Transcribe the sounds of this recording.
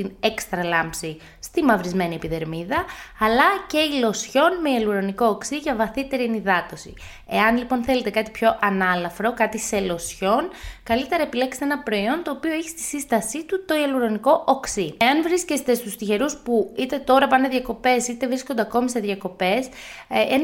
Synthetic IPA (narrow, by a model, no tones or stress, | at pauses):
t̪inekst̪ɾɐlɐmpsi | st̪imɐvɾizme̞nie̞piðe̞ɾmiðɐːlɐce̞ilo̞sço̞nmeɐluɾoniko̞ːksiʝɐvɐθit̪e̞ɾiniðɐt̪o̞sḭ | e̞̰ɐnlipo̞nθe̞le̞t̪ekɐt̪ipço̞ʔɐnɐlɐfɾo̞kɐt̪ise̞lo̞sço̞nkɐlit̪e̞ɾɐepilekst̪eenɐpɾo̞io̞nt̪o̞ːpio̞eçi̥st̪i̥sist̪ɐsit̪ut̪o̞iɐluɾoniko̞ʔoksieɐnvɾisce̞st̪est̪ust̪içe̞ɾuspuit̪e̞t̪o̞ɾɐpɐneðʝɐko̞pe̞sit̪e̞vɾisko̞nd̪e̞ɐko̞mise̞ðʝɐko̞pe̞s | en